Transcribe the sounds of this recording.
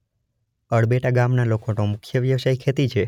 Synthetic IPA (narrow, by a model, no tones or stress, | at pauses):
əɭbeʈaɡamnalokonomʊkʰjəʋjəʋsaikʰet̪it͡ʃʰe